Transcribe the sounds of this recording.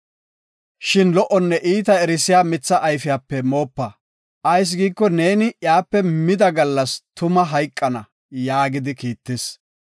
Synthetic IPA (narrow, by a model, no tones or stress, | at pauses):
ʃɪnlɔʔɔnːɛʔiːt̪̬ɐɛɾɪsɪjaːmɪt͡sːɐʔɐjfɪjaːpːɛmo̞ːpːɐ | ʔɐjs̬ɡiːkːɔne̞ːnɪʔjaːpːɛmɪd̪ɐɡɐlːɐst̪ʊmɐɦɐjkʼːɐnɐ | jaːɡɪd̪ɪkiːt̪ːɪs